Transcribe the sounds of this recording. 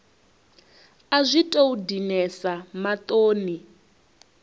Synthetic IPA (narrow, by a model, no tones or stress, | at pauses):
azʷitʼoudinɛsamat̪ʼoːni